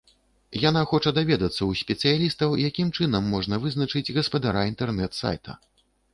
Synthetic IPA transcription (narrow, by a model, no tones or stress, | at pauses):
janaxɔt͡ʂɐd̪avʲɛd̪ɐt̪sːɐwsʲpʲɛt̪sɨjalʲist̪ɐwjakʲimt͡ʂɨnɐmːɔʐnɐvɨznɐt͡ʂɨd͡zʲɣɐspɐd̪aɾaint̪ɛrnɛt̪sa̰jt̪ʰɐ̰